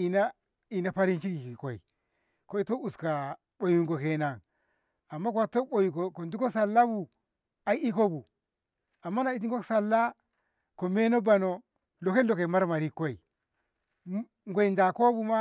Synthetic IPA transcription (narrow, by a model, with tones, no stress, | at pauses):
i˨na˦ | i˨na˨pa˦ɾi˦nt͡ʃi˦ki˨ki˨ko˨ḭ˨ | ko˦i˦to˦u˨ska˨ | ɓo˨ju˨ŋɡo˨ke˨na˨ŋ | a˨mːa˦kwa˦˨tːo˦ɓo˨ju˨ko˨ko˨ndu˦ko˦sa˨lːa˦bu˨ | a˦i˦i˦ko˦bu˨ | a˨mːa˦na˨i˦t̬i˦ŋ˦ko˦ksa˨lːa˦ | ko˨me˦no˦ba˨no˨ | lo˨ke˦lo˨ke˨ma˦ɾma˨ɾi˦ko˦i˨ | ŋɡʷo˨i˨nda˨ko˦bu˦ma˦